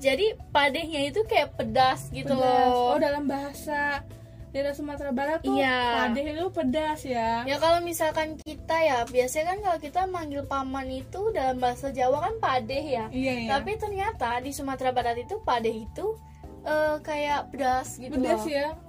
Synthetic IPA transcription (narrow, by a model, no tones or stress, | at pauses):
d͡ʒadipadɛhɲait̪ukajaʔpədasɡit̪ulɔɔdalambaɦasa | dadasumat̪ɾabaɾat̪ijapadɛhit̪upədasjajakalomisalkankit̪ajabiasaɲakankalokit̪amaŋɡɪlpamanit̪udalambaɦasad͡ʒawakanpadɛhjajat̪apit̪ərɲat̪adisumat̪ɾabaɾat̪it̪upadɛhit̪u | ʔəkajaʔpədasɡitpədudasja